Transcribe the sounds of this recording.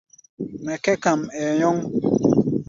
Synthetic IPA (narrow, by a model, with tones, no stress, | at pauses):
mɛ˨kɛ˦ka˨mɛ˨ɲɔ˦ŋ